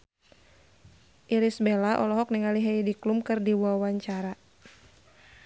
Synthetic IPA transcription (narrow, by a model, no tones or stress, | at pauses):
ʔiɾisbelaʔɔlɔɦɔk̚niŋaliɦɛjdiklumkɨrdiwawaɲt͡ʃaɾa